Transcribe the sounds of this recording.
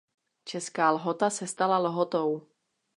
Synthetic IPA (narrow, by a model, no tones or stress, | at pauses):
t͡ʃɛskaːlɦot̪asɛst̪alalɦot̪ow